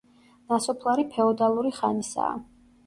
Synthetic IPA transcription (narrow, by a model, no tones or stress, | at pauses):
nasɔpʰlˠaɾipʰɛɔd̪alˠuɾiχanisa̰ː